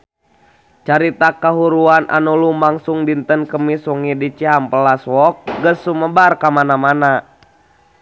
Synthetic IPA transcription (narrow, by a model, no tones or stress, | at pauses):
t͡ʃaɾit̪akaɦuɾuanʔa̰nulumaŋsuŋdint̪ənkəmisɔŋidit͡ʃiɦampəlaswɔk̚ɡəsːuməbarkamanamana